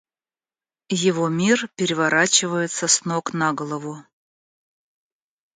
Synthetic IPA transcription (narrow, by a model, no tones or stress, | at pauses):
jɪvomʲirpʲɪɾʲɪvaɾʔat͡ɕɪvəjɪt̪səsnoknaɡəlˠəvʊ